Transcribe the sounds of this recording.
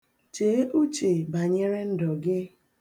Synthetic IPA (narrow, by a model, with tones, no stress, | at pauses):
t͡ʃe˨˦ʔu˦t͡ʃe˨ba˨ɲe˦ɾe˦n̩˦dɔ˨ɡɪ˦